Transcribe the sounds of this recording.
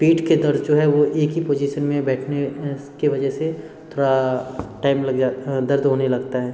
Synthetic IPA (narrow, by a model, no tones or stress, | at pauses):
piːʈʰked̪ɐɾd̪d͡ʒoːɦɛʋoʔeːkɦipoːd͡ʒiːʃənmẽbɛːʈʰnekeʋɐd͡ʒəɦse | t̪ʰoːɽaʈaːɪmlɐɡaːd̪ɐɾd̪ɦoːnelɐɡt̪aɦɛː